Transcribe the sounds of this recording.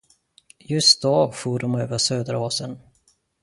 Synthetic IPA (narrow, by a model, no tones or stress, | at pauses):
jɵst̪̚d̪ɔfuːɖɔmøːvəʂøːd̪əɾoːsən